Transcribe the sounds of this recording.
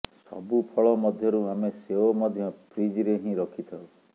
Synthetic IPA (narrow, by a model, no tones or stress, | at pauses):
sɔ̰bupʰɔɭɔmɔd̪ʱjɔɾuameseomɔd̪ʱjɔpɾid͡ʒiɾeɦĩɾɔkʰit̪ʰɔ